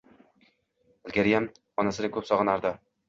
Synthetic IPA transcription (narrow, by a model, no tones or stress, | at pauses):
ɪlɡʲaɾijam | ɒnasɪd̪akʲʰɵpsɒʁɯnaɾd̪a